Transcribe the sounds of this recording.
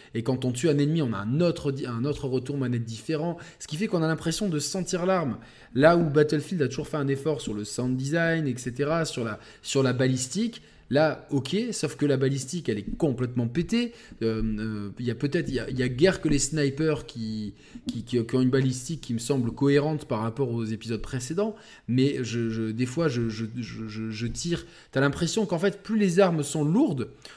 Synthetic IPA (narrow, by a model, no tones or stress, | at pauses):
ekɑ̃t̪ɔ̃t̪yɛ̃nɛnmiɔ̃na̰ɛ̃not̪χəd̪iɛ̃not̪χəʁət̪uʁmanɛt̪̚d̪ifeʁɑ̃sə̥kʲifɛkɔ̃nalɛ̃pχesjɔ̃d̪əsɑ̃t̪iʁlaʁm | laubat̪ɛlfild̪at̪uʒuʁfɛɛ̃nefɔʁsyʁləsãd̪izajnɛkset̪eʁasyʁla | syʁlabalist̪ik | laɔkʰʲesɔfkəlabalist̪ikɛlɛkɔ̃plɛt̪mɑ̃pet̪e | ømøiljapøt̪ɛt̪χijailjaɡʲɛʁkəlesnajpœʁkʲi | kʲikʲĩkʲiɔ̃ynbalis̬t̪ikʰʲːiməsɑ̃bləkɔeʁɑ̃t̪paʁːapɔʁozepizɔd̪̚pχesed̪ɑ̃ | mɛʒəʒəd̪efwaʒəʒəʒəʒəʒət̪iːʁ | t̪yalɛ̃pχesjɔ̃kɑ̃fɛt̪plylezaʁmsɔ̃luʁd̪